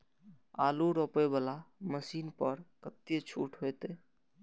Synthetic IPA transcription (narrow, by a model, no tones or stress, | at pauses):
aluɾɔpebəlaməsinpəɾkət̪et͡ʃʰuʈɦojt̪e